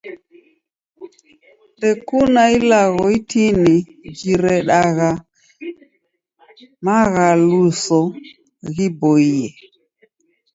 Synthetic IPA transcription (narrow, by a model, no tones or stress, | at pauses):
dɛkunailaɣɔitini | d͡ʒiɾɛɗaɣa | maɣalusɔ | ɣibɔiɛ